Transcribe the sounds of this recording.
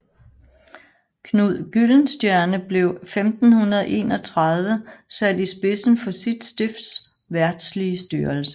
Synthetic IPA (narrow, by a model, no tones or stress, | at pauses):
kʰnuð̰ˠɡ̥yln̩sd̥jæɐnəb̥le̝ʊfemd̥n̩hunɐðˠʔe̝̰ːnɒ̽t͡sʰʁɑð̞ˠʋəsæd̥isb̥e̝sn̩fɒ̽sid̥sd̥efs | ʋæɐd̥sliəsd̥yːɐlsə̥